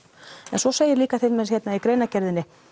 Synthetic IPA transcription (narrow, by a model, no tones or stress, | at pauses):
ɛnswɔseːjɪɾliːkaθɪlmɛðçɛt̪naikɾeːjnacɛɾðɪnːɪ